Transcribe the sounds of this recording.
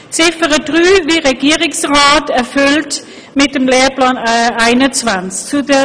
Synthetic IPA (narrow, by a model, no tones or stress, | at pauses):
t͡sɪfəʁəd̥ʁyːviːʁeɡiːʁɪŋsʁaːtɛɐfʏlt | mɪt̚d̥emleːɐplaːnaɪnənt͡svanskt͡sudə